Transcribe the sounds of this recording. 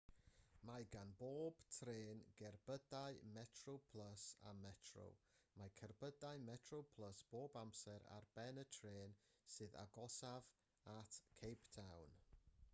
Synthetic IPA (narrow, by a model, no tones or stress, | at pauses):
majɡanboːb̥tʰreːnɡɛrb̥ədajmɛtʰrowpʰlˠəsa̰mɛtʰro̰w | majkʰərbədajmɛtʰrowpʰlˠəsb̥oːbamsɛɾa̰rbɛnətʰreːnsɨːða̰ɡɔsav | atʰkʰejptʰawn